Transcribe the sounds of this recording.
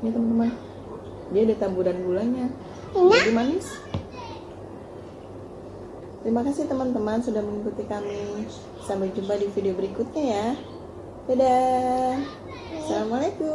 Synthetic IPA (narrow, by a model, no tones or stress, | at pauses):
nat̪əmənt̪əman | diadat̪abudanɡulaɲa | d͡ʒadimanɪs | t̪əɾimakasit̪əmənt̪əmansudahməŋikut̪ikami | sampajd͡ʒumpadifideobəɾikut̪̚ɲaja | t̪ada | salamalaku